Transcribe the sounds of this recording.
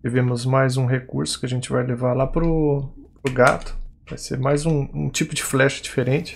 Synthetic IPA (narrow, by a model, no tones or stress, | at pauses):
vivẽmʊzmajzũɦekuɾsʊ̥kɪaʒẽnt͡ʃɪvajlevalapɾʊpɾʊɡat̪ʊ̥vajsḛɾmajzũũt͡ʃipʊd͡ʒɪflɛʃɐ̥d͡ʒifeɾẽnt͡ʃɪ̥